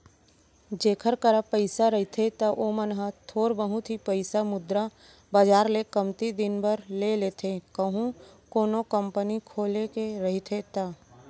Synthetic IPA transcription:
d͡ʒeːkʰəɾkəɾapəɪsaɾəɦit̪ʰet̪aʔomənɦat̪ʰoːɾbəɦũt̪ʰipəɪsamʊd̪ɾa | baːd͡ʒaːɾlekəmt̪id̪ɪnbəɾleleːt̪ʰekəɦũkoːnokə̃mpənikʰoːlekeɾɐɦit̪ʰet̪aː

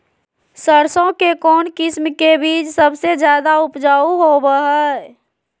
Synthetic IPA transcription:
səɾsõkekɔːnkɪsmkebiːt͡ʃsəbsed͡ʒjaːd̪aʊpd͡ʒaːuɦobəɦə

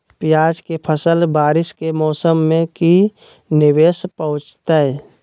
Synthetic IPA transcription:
pjaːd͡ʒkepʰəsəlbaːɾɪskemɔːsəmːẽki | nɪweːspəʊ̃t͡ʃt̪aɦɛ

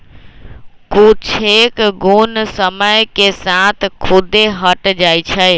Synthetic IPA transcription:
kut͡ʃʰekɡunsəməjkesãt̪ʰkʰʊd̪eɦəʈd͡ʒaːit͡ʃʰə

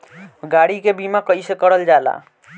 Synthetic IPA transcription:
ɡaɽikebimakʌisekʌɾəld͡ʒala̰

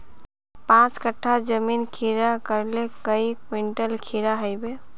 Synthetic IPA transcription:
pãt͡ʃkəʈʰːad͡ʒəminkʰiɾakəɾlekəikwiɳʈəlkʰiɾaɦəɪbe

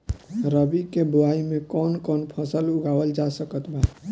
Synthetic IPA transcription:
ɾəbikeboaimẽkɔːnkɔːnpʰəsəlʊɡawəld͡ʒasəkət̪ba

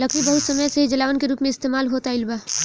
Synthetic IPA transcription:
lɐkʰɾibɐɦʊt̪sɐməjseɦid͡ʒɐlaːʋənkeɾuːpmẽɪst̪eːmaːlɦoːt̪aɪlba

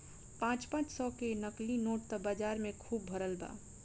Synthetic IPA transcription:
pãːt͡ʃpãːt͡ʃsɔkenəklinoːʈ̚t̪əbəd͡ʒaːɾmẽkʰuːbːʱəɾəlba̰ː

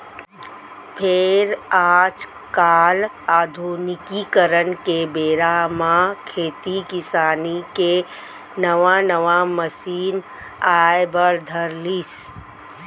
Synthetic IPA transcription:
pʰɪɾaːd͡ʒ | kaːl | aːd̪ʱunɪkikəɾənkebeːɾamãkʰeːt̪ikɪsaːnike | nəʋanəʋaməsiːn | aːjbəɾd̪ʱəɾlis

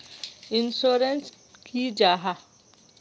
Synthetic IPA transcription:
insoːɾẽns | kʰid͡ʒaɦa

